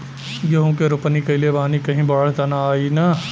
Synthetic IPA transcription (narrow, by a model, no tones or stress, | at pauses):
jɐɦõkeɾʊpnikɐɪlebaːnikɐɦĩbɐɽəɽt̪ɐnaaːinaː